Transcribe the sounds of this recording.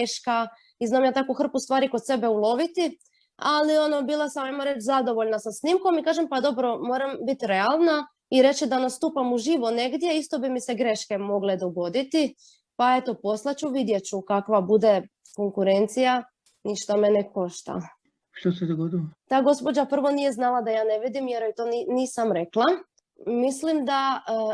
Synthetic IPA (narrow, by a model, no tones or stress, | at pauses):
eʃka | iznaːmjat̪akuxr̩pust̪ʋaːɾikosebe̞ulˠo̞ʋit̪i | alio̞nobiːlˠasamajmoɾe̞t͡ʃzad̪o̞ʋoʎnasasnimko̞mikaːʒempad̪o̞bɾo̞mo̞ːɾambit̪iɾe̞alˠna | iɾe̞t͡ɕid̪anast̪uːpamuʒiʋone̞ɡd̪je̞ist̪o̞bimiseɡɾe̞ʃke̞mo̞ɡled̪o̞ɡo̞d̪it̪i | pae̞t̪o̞po̞slˠat͡ɕuʋid̪jet͡ɕukakʋabud̪e | ko̞ŋkuɾent̪sija | niʃt̪ameneko̞ʃt̪a̰ | ʃt̪osɛd̪oɡod̪ilot̪aːɡo̞spo̞d͡ʑapr̩ʋo̞nije̞znalˠad̪ajaːneʋid̪imjeɾoit̪oniniːsamɾe̞klˠa | mislimd̪a